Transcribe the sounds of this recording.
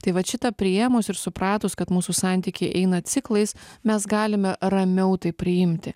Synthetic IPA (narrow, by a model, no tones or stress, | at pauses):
t̪ɐɪʋɐʃʲɪt̪ɐpʲɾʲɪɛmoːsɪɾsʊpɾɑːt̪oskɐt̪muːsusɑˑnʲt̪ʲiːkʲɛɪʔɛɪnɐt̪sʲɪklˠɐɪsmʲɛsɡɑːlʲɪmʲɛɾɐmʲɛʊt̪ɐɪpʲɾʲɪjɪmʲt̪ʲɪ